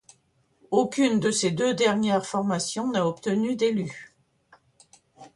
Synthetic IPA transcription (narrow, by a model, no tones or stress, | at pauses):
okʲynd̪əsed̪ød̪ɛʁnjɛʁfɔʁmasjɔ̃naɔpt̪ənyd̪ely